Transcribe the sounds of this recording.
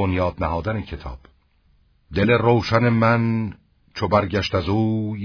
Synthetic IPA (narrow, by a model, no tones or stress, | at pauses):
onjɒːd̪næhɒːd̪ænecʰe̞t̪ʰɒ̰ːb̥ | d̪e̞le̞roːʃæne̞mæn | t͡ʃʰobæɾɟæʃt̪æzuː